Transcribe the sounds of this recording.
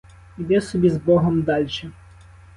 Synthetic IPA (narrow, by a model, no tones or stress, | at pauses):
id̪ɛsɔbʲizbɔɦɔmd̪ɑlʲʃɛ